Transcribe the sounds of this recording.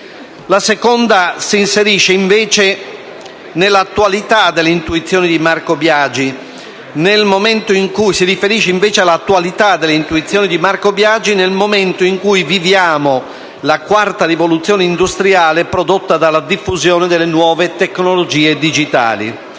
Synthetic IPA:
lasekond̪asiːnseɾiʃːeiɱveːt͡ʃe | nelːat̪ːuwalit̪ad̪elːeint̪uit̪sːjoːnid̪imarkobjad͡ʒi | nelmoment̪oiŋkujsiɾifeɾiʃːeiɱveːt͡ʃealːat̪ːualit̪ad̪elːeint̪uit̪sːjɔːnid̪imarkobjad͡ʒinelmoment̪oiŋkujvivjaːmo | lakwart̪arivolut̪sːjɔːneind̪ust̪ɾiaːlepɾod̪ot̪ːad̪alad̪ifːuzjɔːned̪elːenwɔːvet̪eknolod͡ʒiːed̪id͡ʒit̪a̰ːlḭ

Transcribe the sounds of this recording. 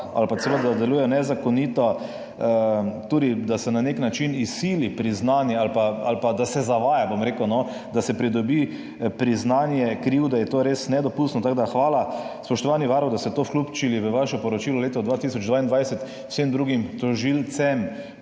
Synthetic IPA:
a̰lpasɛʋəd̪ad̪ad̪ɛluːjɛjɔnɛzakɔnit̪ɔ | ət̪uːd̪id̪asɛnaneknat͡ʃinisːiːlipɾiznaːnjɛalpaa̰lpad̪asɛzaʋaːjabomɾekəwnɔ | d̪asɛpɾid̪ɔbi | pɾiznaːnjɛkɾiwd̪ajɛt̪oːɾesnɛd̪ɔpust̪nɔt̪aɡd̪axʋaːlaspɔʃt̪ɔʋaniʋaɾɔwd̪ast̪ɛt̪oːfklupt͡ʃiliʋəʋaʃɔpɔɾɔt͡ʃiːlɔleːt̪ɔd̪ʋat̪isɔd͡ʒd̪ʋaːind̪ʋajsɛt̪ | w̥semd̪ɾuːɡimt̪ɔʒilt̪sɛm

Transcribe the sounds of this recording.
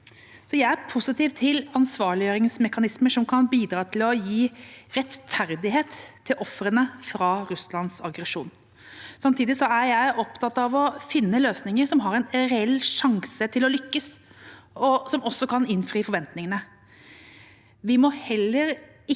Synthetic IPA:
sɔjæɪæpʰʊsɪt̪iːʋt̪ʰːɪlɑnsʋɑːɭɪjøːɾɪŋsmɛkɑnɪsməʂɔmkʰɑnbiːd̪ɾɑːt̪ʰɪlɔjiːɾɛt̪fæɾd̪ɪɦeːt̪ʰːɪlʔɔfɾənəfɾɑːɾʉslɑnsɑ̰ɡɾɛʂṵːn | sɑmt̪ʰiːd̪ɪsɔæɾjæɪʔɔpt̪ʰɑt̪ːɑʋɔfɪnːəløːsnɪŋəɾsɔmɦɑɾɛnɾɛɛlːʂɑŋsət̪ʰɪlɔlʏkːəs | ɔsɔmɔsːɔkʰɑnɪnfɾiːfɔɾʋɛnt̪nɪŋənə | ʋɪmɔhɛlːəɾ | ɪ

